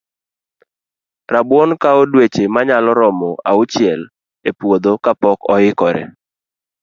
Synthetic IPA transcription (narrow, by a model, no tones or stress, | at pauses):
ɾabwɔnkaodwet͡ʃemaɲalɔɾɔmɔa̰ʊt͡ʃɪɛl | epwod̪okapɔkɔɪkɔɾɛ̰